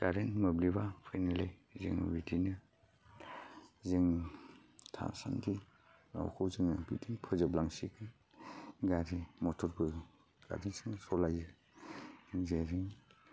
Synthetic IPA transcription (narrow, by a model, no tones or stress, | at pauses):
ɡ̥aɾenmɯblibapʰajnalajzḭŋbidinɯ | ziŋ | tʰa̰sa̰ŋdi | na̰wkʰɯwzɯŋnabḭdiŋpʰɯzablaŋsikʰɯn | ɡaɾimɔtʰɔɾbɯ | ɡ̥a̰densɯŋsɔlajɯ | zeɾiŋ